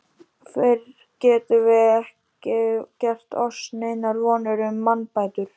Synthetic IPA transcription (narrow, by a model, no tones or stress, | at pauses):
fɛɾ | cɛːt̪ʏvɪɛhcɪcɛr̥t̪ʰɔsneːjnaɾvɔːnʏɾʏmːanpaːjt̪ʏɾ̥